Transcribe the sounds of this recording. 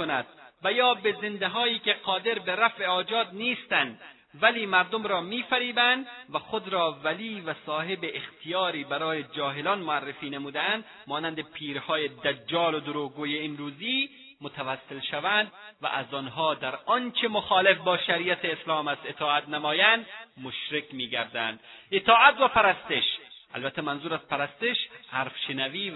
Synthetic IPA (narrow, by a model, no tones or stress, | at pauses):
onæd̪̥̚væjɒːbezend̪eɦɒːiːkʲeqɒːd̪eɾbeɾæfʔeɒːd͡ʒɒːd̪niːst̪ænd̪ | væliːmæɾd̪omɾɒːmiːfæɾiːbænd̪væxod̪ɾɒːvæliːvæsɒːɦebeʔːxt̪ʰijɒːɾiːbæɾɒːjed͡ʒɒːɦelɒːnmoarːefiːnemuːd̪æænd̪ | mɒːnænd̪epʰiːɾhɒːjed̪æd͡ʒːɒːlod̪uɾoːɡoːjeːmɾuːziː | mot̪ʰavæsːelʃævænd̪væ̰ʔæzɒːnɦɒːd̪æɾɒnt͡ʃʰemoxɒːlefbɒːʃæɾijæt̪ʰeːslɒːmæst̪et̪ʰɒːat̪namɒːjænd̪moʃɾekmiːɡæɾd̪ænd̪et̪ɒːæt̪væpæɾæst̪eʃʔæ̰lbæt̪ʰːæmænzuːɾæzpʰæɾæst̪eʃhæɾfʃenæviː